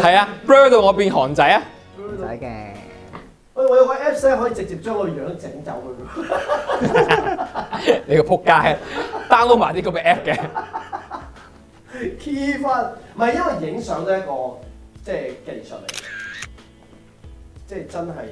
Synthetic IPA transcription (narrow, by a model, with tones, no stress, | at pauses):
hɐ˨jaː˧pɹøː˥t̪o˨˧wŋɔː˨˧piː˧nɦɔː˨˩ŋt͡sɐ˨˥ja˧˥˨ | ɛ˧ | ɐ˧˩˨ŋɔ˨˧jwkɔ˧ʔɛː˥p̚sɛː˥ɦɔː˨˦˥jiː˧t͡sɪ˨k̚t͡siː˨p̚t͡ʃœː˥ŋɔ˧˨˧jœː˨˥ŋɪ˥t͡sɪ˨˥ŋt͡sɐ̰˨˥wkɵ˨˧jk | ne˨˧jkɔ˧pʰʊ˥kːaː˥˧t̪aː˥nlo˥wmaː˨˩t̪iː˥kɔ˨˧˥mɛː˧ʔɛː˥p̚kɛ˧ | kʰiː˥faː˥tm̩˨ɐ˨jɐ˥nwɐ˨˩jjɪ˨˥ŋsœː˨˥ŋt̪oː˨˧˦jɐ˥t̚kɔː˧t͡sɛː˥˩ke˧jsɵ̰˨t̚le˨˩jɡɛ˧ | t͡sɛː˥˧˩t͡sɐ˥nɦɐ˨j